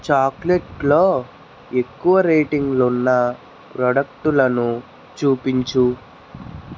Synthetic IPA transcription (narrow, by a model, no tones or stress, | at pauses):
t͡ʃaːkleʈlo̞ː | e̞kːuʋɐɾeːʈiŋɡlunːɐ | pɾɔɖɐk̚ʈulɐnu | t͡ʃuːpiɲt͡ʃu